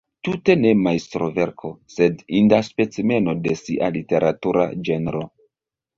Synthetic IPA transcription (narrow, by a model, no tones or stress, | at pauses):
tute̞ne̞majstɾove̞ɾkʰo̞se̞dindaspe̞t͡sime̞no̞de̞siʔalite̞ɾʔatuɾa̰d͡ʒe̞nɾo̞